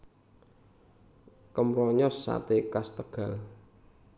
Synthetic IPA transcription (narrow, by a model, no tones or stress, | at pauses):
kəmɾɔɲɔsːa̰t̪ekast̪əɡ̥a̤l